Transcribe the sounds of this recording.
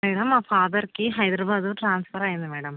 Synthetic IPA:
ʋeːɽɐmaːfaːd̪ɐrkːɨɦɐjd̪ɾɐbaːd̪ɐʈraːnsfɐraːjunːɨʋeːɽɐm

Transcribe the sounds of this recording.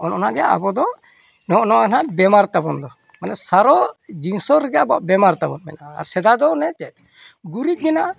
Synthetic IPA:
ɔnɔnaɡɛjaʔa̰bɔd̪ɔ | nɔʔnɔaɡnabɛmaɾt̪abɔnd̪ɔ | manɛsaɾɔd͡ʒinsɔɾɡɛabaʔbɛmaɾt̪abɔnmɛnaa̰ɾsɛd̪ad̪ɔnɛt͡ʃɛt̚ | ɡuɾic̚mɛna

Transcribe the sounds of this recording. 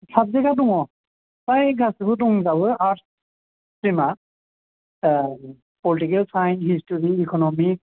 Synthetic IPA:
sʰap̚zɛɡadɔŋɔ | tajɡasibɔdɔŋzawɯat | pɹima | pɔlitikɛlsajnhistɔɹiːkɔnɔmi

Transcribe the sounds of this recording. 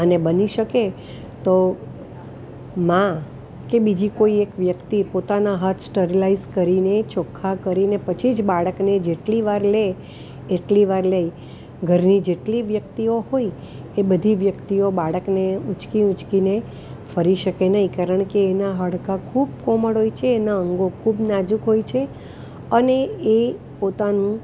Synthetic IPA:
ənebəniʃəke | t̪o | mã | kebid͡ʒikoiekʋjəkt̪ipot̪anaɦət̪ʰsʈəɾilaizkəɾinet͡ʃɔkʰːakəɾinepət͡ʃʰid͡ʒbaɭəkned͡ʒeʈliʋaɾleː | ʈliʋaɾləi | ɡʱəɾnid͡ʒeʈliʋjək̚t̪ioɦoi | ebəd̪ʱiʋjəkt̪iobaɭəkneut͡ʃkiũt͡ʃkine | fəɾiʃəkenəɦĩkaɾəɳ̃keːnaɦəɽkakʰubkoməɽɦojt͡ʃʰeːnaəŋɡokʰubnad͡ʒukɦojt͡ʃʰe | ənee | pot̪anũ

